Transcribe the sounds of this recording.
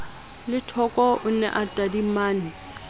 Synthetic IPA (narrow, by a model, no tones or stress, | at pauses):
lɪtʰɔkʼɔʔʊnɛ̰ʔatʼadimaːnɪ